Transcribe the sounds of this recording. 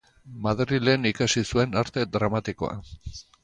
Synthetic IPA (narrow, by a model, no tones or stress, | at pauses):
maðɾile̞nikasisue̞naɾt̪e̞d̪ɾamat̪iko̞a̰